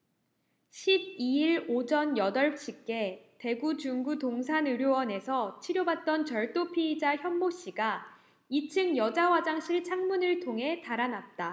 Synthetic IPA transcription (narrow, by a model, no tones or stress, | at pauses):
ɕʰib̚iiɭod͡ʑʌnjʌdʌɭt͡ɕʰik͈e̞te̞ɡut͡ɕuŋɡutoŋsʰanɯɾjowʌne̞sʰʌt͡ɕʰiɾjobat̚t͈ʌnt͡ɕʌɭt͈opʰid͡ʑaçjʌmːoɕ͈iɡa | it͡ɕʰɯŋjʌd͡ʑawad͡ʑaŋɕʰiɭt͡ɕʰaŋmunɯɭtʰoŋɦe̞taɾanat̚t͈a